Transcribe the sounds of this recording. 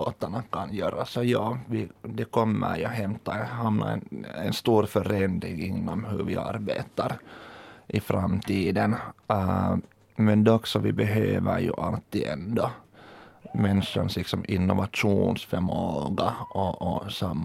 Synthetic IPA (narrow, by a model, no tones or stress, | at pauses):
oːt̪aɳakʰɑnjøːɾasɔjɑːʋɪd̪ɛkʰɔmːə̰ɾjɵɦɛmt̪ahamnʔa̰ɛ̰nɛnst̪uːɾfœɾɛnd̪ɾɪŋɪnːɔmhɵvɪʔa̰ɾbeːt̪ɑɾ | ʔɪfɾamːt̪ʰiːd̪ən | mɛnd̪ɛɔksɔʋɪbɛɦøːʋəɾjɵ̰ʔalt̪ːiːɛnd̪ɔ | mɛnʂa̰ɳslɪksɔmɪnːɔvaʂuːnsfœɾmoːɡaɔɔsamː